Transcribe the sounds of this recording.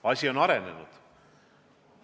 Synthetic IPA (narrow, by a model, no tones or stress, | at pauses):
ɑsʲio̞nɑɾe̞ne̞̰nṵd̪̥